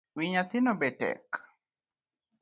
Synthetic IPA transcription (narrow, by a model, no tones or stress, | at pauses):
wiɲat̪ɪnɔbɛtɛ̰k